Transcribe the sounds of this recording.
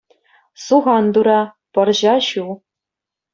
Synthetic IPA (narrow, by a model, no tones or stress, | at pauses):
suʁɑnd̪uɾɑ | pɤ̆rʑɑɕu